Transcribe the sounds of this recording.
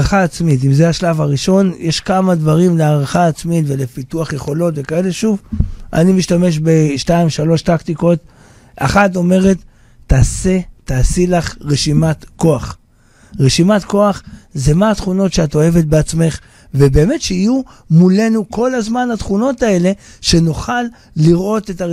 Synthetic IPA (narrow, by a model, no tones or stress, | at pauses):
aχaːt͡smitimzeaʃlavaʁiʃo̞njeʃkamadvaʁimleaʁaχaːt͡smitve̞le̞pituaχje̞χo̞lo̞tve̞kae̞leʃuvʔa̰nimiʃtame̞ʃ̬be̞ʃtaimʃalo̞ʃtakt̪iko̞t | a̰χat̬o̞me̞ʁe̞tː | aːse̞taːsilaχʁeʃimat̪ko̞aχ | ʁeʃimat̪ko̞aχzemaːt̪χuno̞tʃeato̞e̞vet̚beat͡sme̞χ | vebe̞ːme̞tʃeiju | mule̞nuko̞lazmanat̪χuno̞tae̞le̞ʃe̞noχalː | iʁʔo̞te̞ta